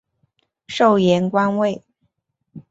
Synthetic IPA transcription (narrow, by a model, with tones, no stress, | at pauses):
ʂo˥˩ʊjɛ˧˥nkwa˥nwe˥˩ɪ